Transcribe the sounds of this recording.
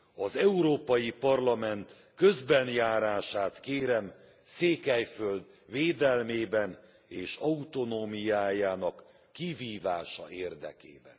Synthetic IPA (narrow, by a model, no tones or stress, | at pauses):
ɒzɛuɾoːpɒjipɒrlɒmɛnt̪ | kø̞zbɛnjaːɾaːʃaːt̪keːɾɛm | seːkɛjføld̪ | veːd̪ɛlmeːbɛn | eːʃɒut̪o̞noːmijaːjaːnɒkː | iviːvaːʃɒ̰eːrd̪ɛ̰kḛːbɛ̰n